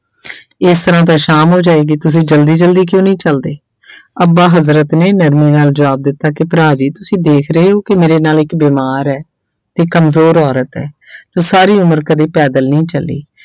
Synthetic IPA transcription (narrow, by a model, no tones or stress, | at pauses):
ɪst̪əɾãːt̪̬ãːʃaːmɦoːd͡ʒaːeːɡiːt̪ʊsĩːd͡ʒəld̪iːd͡ʒəld̪iːk̬jõːnəĩːt͡ʃəld̪eː | əbaːɦəzɾət̪neːnəɾmeːnaːld͡ʒəʋaːb̚d̪ɪt̪ːaːkɪpɾaːd͡ʒiːt̪ʊsĩːd̪eːkʰɾəɦeːɦoːkɪmeːɾeːnaːlɪkbiːmaːɾɛː | t̪eːkəmzoːɾɔːɾət̪ɛ̰ːd͡ʒoːsaːɾiːʊməɾkəd̪eːpɛːd̪əlnĩːt͡ʃəlːḭː